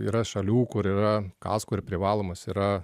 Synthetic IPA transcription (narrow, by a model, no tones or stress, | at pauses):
ḭːɾɐʃɐlʲuːkʊɾiːɾɐkɑ̰ːskʊɾpʲɾʲɪʋɑːlˠoːmɐsiːɾɐ